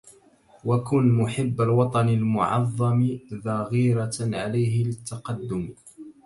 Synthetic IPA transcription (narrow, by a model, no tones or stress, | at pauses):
wakʊnmʊħɪbːalwɑt̪ˤɑnalmʊ̰ʕɑ̰ðˤːɑmðˤɑɣiːɾaʕalajɦɪlɪt̪ːɑqɑd̪ːʊm